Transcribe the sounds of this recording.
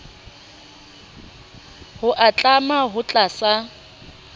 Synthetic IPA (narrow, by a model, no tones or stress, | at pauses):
hʊʔat͡ɬʼamaɦʊt͡ɬʼasa